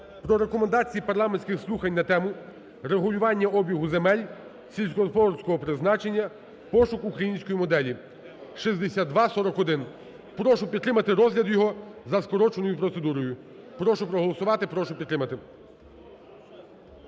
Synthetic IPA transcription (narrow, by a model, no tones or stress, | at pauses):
pɾɔɾe̞kɔmend̪ɑt͡sʲijipɐɾlˠɑmenʲsʲkʲɪxslˠuxɐnʲnɐt̪ɛmʊ | ɾeɦʊlʲʊʋɑnʲːɐʔɔbʲiɦʊzemɛlʲ | sʲilʲsʲkɔnfɔrsʲkɔɦɔpɾɪznɑt͡ʃe̞nʲːɐ | pɔʃʊkukɾɐjinʲsʲkɔjimɔd̪ɛlʲi | ʃizd̪esʲad̪d̪ʋɑsɔɾɔkɔd̪ɪn | pɾɔʃʊpʲid̪t̪ɾɪmɐt̪ɪɾɔzɦlʲɐd̪jɔɦɔzɐskɔɾɔt͡ʃenɔjʊpɾɔt̪sed̪uɾɔjʊ | pɾɔʃʊpɾɔɦɔlˠɔsʊʋɑt̪ɪpɾɔʃʊpʲid̪t̪ɾɪmɐt̪ɪ